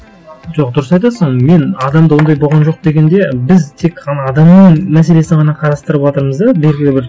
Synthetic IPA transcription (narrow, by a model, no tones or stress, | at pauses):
ʒoq̚d̪ʊɾəsɑjt̪ɑsəɴme̞nɑd̪ɑmd̪əwo̞nd̪ɑjbolˠʁɑnʒo̞q̚d̪e̞ɡʲe̞nd̪e̞bɪzt̪ʰe̞kqʰɑnɑːd̪ɑmnəɴmæs̬e̞le̞sɪɴʁɑnɑqʰɑɾɑst̪əɾəpwɑt̪əɾməzd̪ɑbe̞lʲɡʲɪlɪbɪɾ